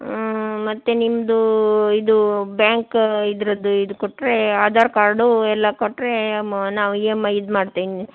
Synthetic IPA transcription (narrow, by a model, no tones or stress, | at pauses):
mɐt̪ːenimd̪uid̪ubjaːŋkid̪ɾɐd̪uid̪ukoʈːɾe̞aːd̪ʱaːɾkaːɾɖuɛlːɐkoʈːɾe̞naːʋuiemɐjid̪maːɖt̪iʋni